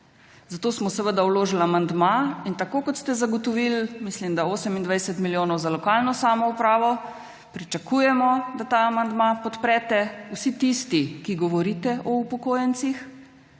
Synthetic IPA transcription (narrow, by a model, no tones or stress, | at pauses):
zat̪osmɔsɛʋəd̪awloːʒilamand̪maint̪akoːkɔt̪st̪ɛzaɡɔt̪ɔʋilmislimd̪aoːsɛmind̪ʋajsɛt̪miljoːnɔwzalɔkalnɔsaːmɔupɾaːʋɔ | pɾit͡ʃakujɛmɔd̪at̪aamand̪mapɔt̪pɾɛːt̪ɛusit̪ist̪ikiɡɔʋɔɾit̪ɛʔɔupɔkoːjɛnt̪six